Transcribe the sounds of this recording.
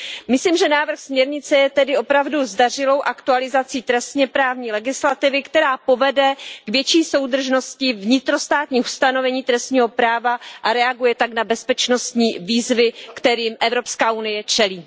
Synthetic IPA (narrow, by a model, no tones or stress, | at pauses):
mɪsliːmʒɛnaːvr̩xsmɲɛɾɲɪt͡sɛjɛt̪ɛdɪʔo̞pɾavduzdar̝ɪlo̞wʔakt̪ualɪzat͡siːt̪ɾɛst̪ɲɛpɾaːvɲiːlɛɡɪslat̪ɪvɪkt̪ɛɾaːpo̞vɛdɛɡ̥vjɛt͡ʃiːso̞wd̪r̩ʒno̞scɪvɲɪt̪ɾo̞st̪aːt̪ɲiːxst̪ano̞vɛɲiːt̪ɾɛst̪ɲiːɦo̞pɾaːvaʔaɾɛaɡujɛt̪aknabɛspɛt͡ʃno̞st̪ɲiːviːzvɪkt̪ɛɾiːmʔɛvɾo̞pskaːʔunɪjɛt͡ʃɛliː